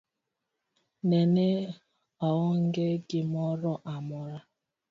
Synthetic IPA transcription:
nene | ɔɣʊŋ̩ɡeɡɪmɔɾɔʔamʊɾa

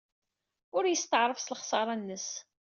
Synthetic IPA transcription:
ʊɾjəst̪əʕɾˤəfsələχsɑɾˤɑnːəs

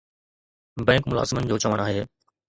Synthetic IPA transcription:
bɛ̃ːŋkmʊla̰ːzɪmənɪ̆d͡ʑoːt͡ɕɐʋəɽ̃aːɦeː

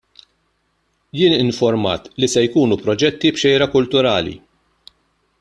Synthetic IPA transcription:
jɪːnɪɱfɔɾmɐ̰ːt̪lisɛjkuːnupɾɔd͡ʒɛt̪ːibʃɛjɾɐkʊlt̪ʊɾɐːlḭ

